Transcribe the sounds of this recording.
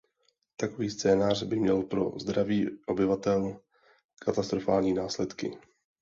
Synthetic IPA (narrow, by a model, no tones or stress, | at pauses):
t̪ako̞viːst͡sɛːnaːrbɪmɲɛlpɾo̞̰zd̪ɾaviːʔo̞bɪvat̪ɛl | kʰat̪ast̪ɾo̞faːlɲiːnaːslɛt̪kɪ